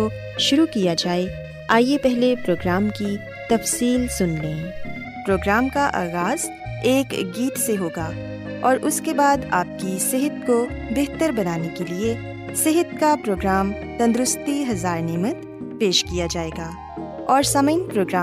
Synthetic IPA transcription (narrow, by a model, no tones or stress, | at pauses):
o | ʃʊɾukijad͡ʒaːe | aːjepɛɦlepɾoːɡɾaːmki | t̪ɐfsiːlsʊnlẽː | pɾoːɡɾaːmkaʔa̰ːɣaːz̥ | eːkɡiːʈ̪seɦoːɡa | ɔːɾʔʊskebaːd̪aːp̚kisɪɦət̪̚ko | beɦt̪əɾbɐnaːnekelie | sɪɦət̪̚kapɾoːɡɾaːm | t̪ɐ̃nd̪ɾʊst̪iɦɐzaːɾnɛːmət̪ | peːʃkijad͡ʒaːeːɡaː | ɔːɾsɐməɪnpɾoːɡɾaː